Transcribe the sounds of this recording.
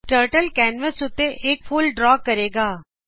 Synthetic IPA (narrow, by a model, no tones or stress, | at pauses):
ʈəːɾʈəlkɛːnʋəsʊt̪ːeʔeːkpʰʊlɖɾɔːkːəɾeːɡaː